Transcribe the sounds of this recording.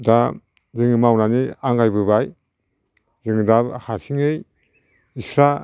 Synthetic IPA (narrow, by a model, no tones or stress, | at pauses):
da | zɯŋɯmawnaniaŋɡajbɯβaj | zɯŋɯdabhasiŋɯj | isɾa